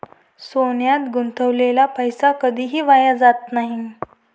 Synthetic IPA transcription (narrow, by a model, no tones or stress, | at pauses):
sonjat̪ɡunt̪əʋlelapəjsakəd̪ʱiːɦiːʋajad͡zat̪naɦi